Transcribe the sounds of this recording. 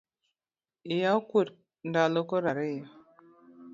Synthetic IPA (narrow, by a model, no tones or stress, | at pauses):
ijakʷuɾ | n̩dalokoɾaɾejo